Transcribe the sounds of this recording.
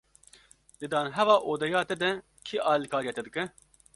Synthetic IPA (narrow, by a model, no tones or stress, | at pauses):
d̪ɨd̪ɑːnɦɛvɑːʔoːd̪ɛjaːt̪ɛd̪ɛ | kʰiʔɑːlikʰaːɾjɛt̪ɛd̪ɨkɛ